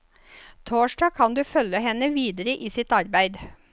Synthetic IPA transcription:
t̪ʰoːʃɖɑːkʰɑnd̪ʉːfœləhɛnəʋiːd̪əɾəʔiːsɪt̪ɑɾbæɪd̪

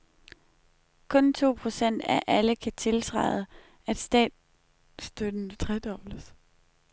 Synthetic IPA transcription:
kʰɔ̽nt͡sʰo̝̰ːpʰʁo̝sen̰d̥æʔæləkʰæt͡sʰe̝lt͡sʰʁɑ̰̈ɪðˠə | æd̥sd̥ɛ̰ːd̥ | sd̥ød̥n̩t͡sʰʁɛd̥ɒʊ̥ləs

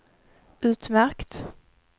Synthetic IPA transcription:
ʉ̟ːt̪mæɾkt̪

